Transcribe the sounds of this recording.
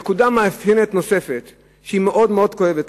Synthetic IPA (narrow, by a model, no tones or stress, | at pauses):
kudamaafhenetno̞sefet̪ | ʃeimeʔo̞d̪meo̞d̪ko̞evet